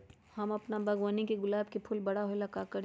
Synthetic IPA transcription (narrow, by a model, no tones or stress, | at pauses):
hɐmɐpnabʱɐɡwaːnikeɡʊlaːb̚kepʰʊlbɐɽ̤aɦoelɐkakɐɾ